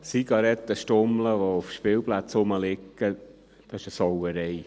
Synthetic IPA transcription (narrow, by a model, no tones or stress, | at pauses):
siɡ̥ɑɾɛt̪ːəʃtʊmləʋoʊfʃpɪlplat͡sʊməlɪkːə | d̥ɑɪʃəsɔwəɾɛj